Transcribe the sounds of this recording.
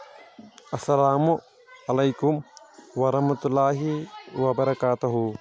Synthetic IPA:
ʔɐsːɐlaːmu | ɐlɐjkumwɐɾɐhmɐt̪ulːaːɦiwɐbɐɾɐkaːt̪uɦu

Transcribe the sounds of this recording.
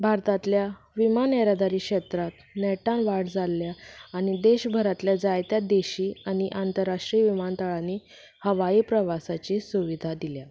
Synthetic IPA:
bʱaɾt̪at̪lja | ʋimanɛɾad̪aɾiːkɕet̪ɾat̪nɛʈãnʋaɽd͡zalːjaañid̪eɕbʱəɾat̪ljad͡zajt̪jad̪eɕiːaɽ̃iʔant̪əɾːaʂʈɾiʋimant̪əɭani | həʋaiːpɾəʋasat͡ɕisuʋid̪ʱad̪ilja

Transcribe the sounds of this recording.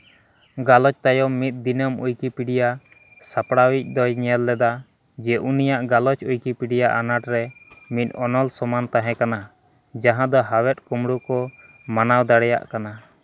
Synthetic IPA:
ɡalɔt͡ʃt̪ajɔmit̪̚d̪inəmṵjkipiɽija | sapɽawic̚ˀd̪ɔjɲɛlːɛd̪a | d͡ʒɛʔunijaʔɡalɔt͡ʃujkipiɽijaʔanaʈɾɛmit̪̚ˀɔnɔlsɔmant̪aɦɛ̃kana | d͡ʒaɦãd̪ɔɦawɛt̪̚kumɽukɔ | manawd̪aɽɛja̰ʔkana

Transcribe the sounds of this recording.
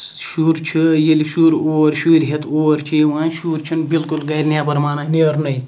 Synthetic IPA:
ʃuːɾt͡ʃʰijiliʃuːɾoːɾʃuːɾɦet̪ʰoːɾt͡ʃʰiʋãːnʃuːɾt͡ʃʰinbilkulɡɐjɾnjaːpɐɾmaːnaniɐɾnɐj

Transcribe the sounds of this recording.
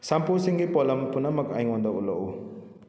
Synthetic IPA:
samposiŋɡipɔlampunamɐkajŋɔnd̪ɔʔulɔʔṵ

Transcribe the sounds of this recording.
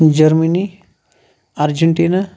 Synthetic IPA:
d͡ʒɐɾməni | aɾd͡ʒəɳʈina

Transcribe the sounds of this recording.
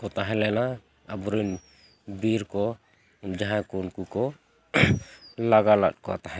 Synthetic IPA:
kɔt̪aɦɛ̃lɛnaː | bɔɾin | biɾkɔ | d͡ʒaɦãkunkukɔ | laɡala̰t̪̚kɔa̰t̪aɦɛ̃

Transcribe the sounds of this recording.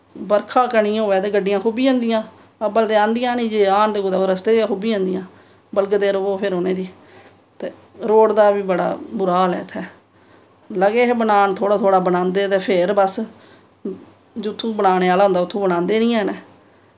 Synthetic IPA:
bəɾkʰaːkəɳĩːoːɛːt̪eːɡəɖːɪjãːkʰuːbiːãːnd̪ɪjãː | əbəld̪eːãːnd̪ɪjãːnĩːd͡ʒeːaːnt̪eːɡod̪aːoːɾəst̪eːakuːbiːãːnd̪ɪjãː | bəlɡd̪eːɾooːpʰɪɾɦoːneːd̪iː | t̪eː | ɾoːɽd̪aːbiːbəɽa̰ːbʊɾaːlɛ̰ːt̪ʰːɛː | ləɡeːɦbənaːnt̪ʰoːɽaːt̪ʰoːɽaːbənãːnd̪eːt̪eːpʰeɾbəs | d͡ʒʊt̪ʰːũːbənaːneːaːlãːnd̪aːʊt̪ʰːũːbənãːnd̪eːnĩːɛ̃ːneː

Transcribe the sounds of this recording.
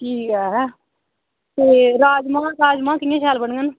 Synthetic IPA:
ʈʰiːkɛːɦː | t̪eːɾaːd͡ʒmãːɾaːd͡ʒmãːkɪẽːʃaːlbəɳɡən

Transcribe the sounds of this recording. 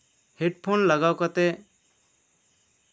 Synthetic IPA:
hɛʈpʰonlaɡawkat̪ɛ

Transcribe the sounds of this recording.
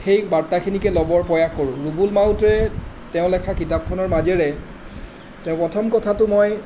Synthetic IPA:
xejbaɹtːakʰinikɛlɔbɔɹpɹɔjakːoɹʊ̃ɹubulmawtɹɛ | tɛʊ̃lɛkʰakitap̚kʰɔnɔɹmazɛɹɛ | tɛʊ̃pɹɔtʰɔmkɔtʰatʊmoj

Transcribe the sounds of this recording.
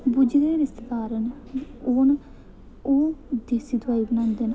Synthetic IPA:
bʊd͡ʒɡeːɾɪst̪t̪aːɾən | oːn | oːd̪eːsid̪waːiːbənãːnd̪en

